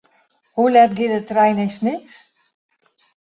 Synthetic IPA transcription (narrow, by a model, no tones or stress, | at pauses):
hulɛt̚ɡɪdətːrɛjnɛjsnɪt